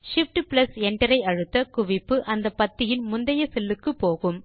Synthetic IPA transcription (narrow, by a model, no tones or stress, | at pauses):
ʂɪfʈɯplɐsɛɳʈɐɾɐɪɐɻɯt̪ːɐkʊʋɪpːɯʔɐnd̪ɐpɐt̪ːɪjɪnmʊnd̪ɐjɐsɛlːɯkːɯpːoːɣɯm